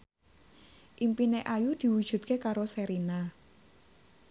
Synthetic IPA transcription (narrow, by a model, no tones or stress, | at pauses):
ʔimpineʔajud̪̥i̤wud̥ʒ̥ṳt̪̚kekaɾoseɾina